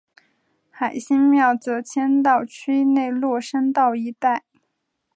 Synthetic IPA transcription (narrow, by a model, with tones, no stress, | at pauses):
xa˨˩ɪɕi˥ŋmjɑ˥˩ʊt͡sɤ˧˥t͡ɕʰjɛ˥nt̪ɑ˥˩ʊt͡ɕʰy˥ne˥˧ɪlwɔ˥˧˩ʂə˥nt̪ɑ˥˩˧ʊi˧˥t̪a˥˩ɪ